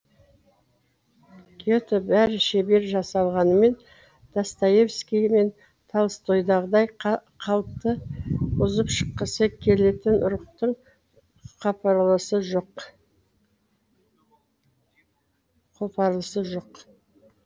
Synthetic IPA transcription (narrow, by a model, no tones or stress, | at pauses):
kʲʰet̪obæɾɪʃebe̞ɾʒɑsɑlˠʁɑnəme̞n | d̪̥ɑst̪ɑje̞fskʲijme̞n | t̪ʰɑlˠəst̪ʰo̞jd̪ɑʁəd̪ɑjqʰɑlˠəp̚t̪əʊzəpʃə̥qːəsəkʲʰe̞le̞t̪ɪnʔʊɾəqt̪əɴ | qʰɑpɾlˠəsəʒoq | qʰopʰɑɾlˠəsəʒoq